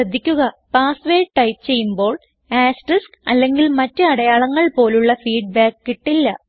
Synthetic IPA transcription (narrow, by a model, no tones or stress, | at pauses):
ɐd̪ʱːikʲːuɣɐpaːsʋeːʈɐjtt͡ɕe̞jːumbo̞ːɭ | aːsriskɐlːe̞ŋɡilmɐtːɨɐɽɐjaːɭɐŋːɐɭpo̞ːluɭːɐfiːɖ̚baːkːiʈːilːɐ